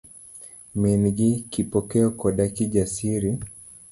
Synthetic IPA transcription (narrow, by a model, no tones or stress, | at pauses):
minɡikipɔkɛɔkɔɗakiʄasiɾi